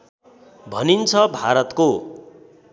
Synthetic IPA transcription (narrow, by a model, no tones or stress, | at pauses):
bʱʌnint͡sʰʌbʱaɾʌt̪ko